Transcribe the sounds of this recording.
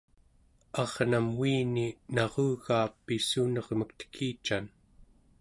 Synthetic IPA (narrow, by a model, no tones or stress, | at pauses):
ɑʁnamwiːninɑʁuɣaːpːisunʌʁməkt̪ə̥kʰiːt͡ʃan